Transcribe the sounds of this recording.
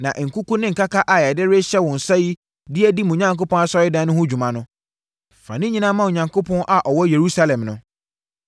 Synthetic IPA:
nã̰˨ʔŋ̩˨kʰu˦kũ˦nɪ̃˦ŋ̩˨kʰa˦kʰa˦ʔa˨jɛ˨dɪ˦ɾɪ˦ɕɛ˦wɔ̃˨n̩˨sa˦ji˦ | dɪ˦ɛ˦di˦mũ˨ɲã˦ŋko˦pɔ̃˦na˦sɔ˦ɪ˦dã˦nʊ̃˦hʊ̃˦d͡ʑᶣu˨mã˨nʊ̃˦˨ | fã̰˨nɪ̃˦ɲĩ˦nã˦mã˦wo˨ɲã˨ŋkʰo˦pʰɔ̃˦nʔa˨ʔɔ˨wɔ˦je˨ɾu˦sa˦lɛ̃˨mnʊ̃˨

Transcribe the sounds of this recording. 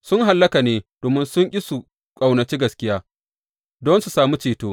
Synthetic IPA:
sʊ˦ŋɦa˨lːɐ˦ka˨neː˦d̥oː˨mɪ˦nsʊ˦ŋʔʲʼɪ˦su˨ | kʼa˨wnɐ˨t͡ʃiː˦ɡɐ˨skʲɪ˦jaː˦ | dɔ˦nsu˨saː˨mu˦t͡ʃeː˨toː˦

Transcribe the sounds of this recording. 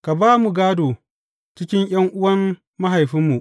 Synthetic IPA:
ka˨baː˦mu˨ɡaː˦doː˨ | t͡ʃɪ˦kʲɪ˦ŋj̰ɐ˦ŋʔʊ˦wɐ˦mː | a˦ɦa˨jɸɪ˦mːu˨ʔ

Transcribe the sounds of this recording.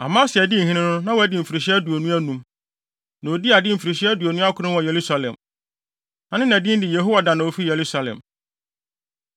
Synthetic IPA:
a̰˨mã˦sɪ˨ɛ˨dɪ˦˨hĩ˦nɪ̃˦nʊ̃˦nã˦wæ˦dɪ˨m̩˨fi˨ɾi˨ɕɛ˦æ˦du˨æ˨nũ˦æ˦nũ˦m | nã˨o˨di˦a˨dɪ˦m̩˨fi˨ɾi˨ɕi˦æ˦du˨æ˨nũ˦a˦kʰʷʊ˨˦ɾɪ̃˦n˦wɔ˨je˨ɾu˦sa˨lɛ̰̃˨m | nã˦nɪ̃˦naæ˨dɪ̃˦n˦dɪ˨je˨ɦo˦wa˨dã˨nã˨o˨fi˦je˨ɾu˦sa˨lɛ̰̃˨m

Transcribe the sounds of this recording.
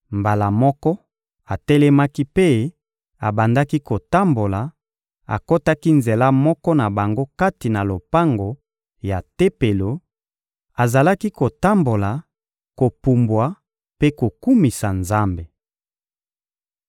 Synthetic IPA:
mba˨la˨mɔ˦kɔ˦ | a˨tɛ˦lɛ˦ma˦ki˦pe˦ | a˨ba˨nda˦ki˦ko˨ta˦mbo˨la˨ | a̰˨ko˦ta˦ki˦nze˨la˦mɔ˦kɔ˦na˨ba˨ŋɡo˦ka˦ti˨na˨lo˨pa˦ŋɡo˨ | ja˨te˦pe˨lo˨ | a˨za˨la˦ki˦ko˨ta˦mbo˨la˨ | ko˨pu˨mbwa˨˦ | pe˦ko˨ku˦mi˨sa˨nza˦mbe˨

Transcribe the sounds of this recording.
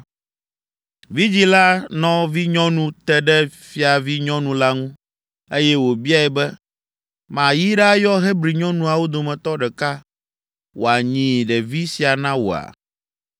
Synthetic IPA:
vi˦d͡ʑi˦la˦nɔ̃˦vi˦ɲɔ̃˦nũ˦t̪ɛ˦ɖɛ˦fi˦a˨vi˦ɲɔ̃˦nũ˨la˦ŋũ˦ | e˦jɛ˦wo˨bi˦a˦˨ɛ˨bɛ˦ | mã˨ji˦ɖɛ˦jɔ˦ɦɛ˦bɾi˨ɲɔ̃˦nũ˨a˨wo˦d̪o˨mɛ̃˨t̪ɔ˦ɖɛ˨ka˦ | wo˨a˨ɲĩ˨ɖɛ˨vi˦si˨a˨nã˦wo̰˨a̰˨

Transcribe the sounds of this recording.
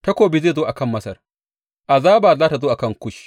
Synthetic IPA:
ta˦kʷoː˨bɪ˦zeː˦˨zoː˦ʔa˨kɐ˦˨mːɐ˦sɐ̰˨r | ʔa˨zaː˦baː˨zaː˦ta˨zoː˦ʔa˨kɐ˦˨ŋkʷʊ˦ʃ

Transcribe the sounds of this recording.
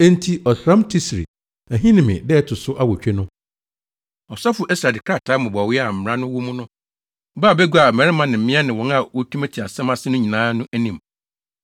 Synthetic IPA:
ẽ˦n˦tʰi˨ɔ˨sɾã˦mtʰi˦sɾḭ˨ | æ˨ɦĩ˦nɪ̃˨mɪ̰̃˨dɛ˦tʰʊ˨sʊ˦ʔa˦wɔ˨t͡ɕᶣe˦nʊ̃˦ | ɔ˨sa˦fʊ˨ʔe˦sa˨dɪ˨kʰɾa˦˨tʰaː˦mʊ̃˨bɔ˨wɪ˦a˨m̩˨m˨ɾã˦nʊ̃˦wʊ˦mũ˦nʊ̃˦ | baː˦˨be˦ɡu˦a˨mɛ̃˨ɾɪ˦mã˨nɪ̃˨m̩˨˦mɪ̃˦a˦nɪ̃˨wɔ̃˨˦na˦˨wo˦tʰu˦me˦tʰi˨a˨sɛ̃˦mã˦sɪ˦nʊ̃˦ɲĩ˨nãː˦nʊ̃˦ʔæ˦nĩ˨m

